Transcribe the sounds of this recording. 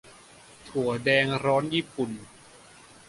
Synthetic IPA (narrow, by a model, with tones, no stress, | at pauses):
t̪ʰu˨˩ɐdɛː˧ŋɾɔː˦˥njiː˥˩pu˨˩n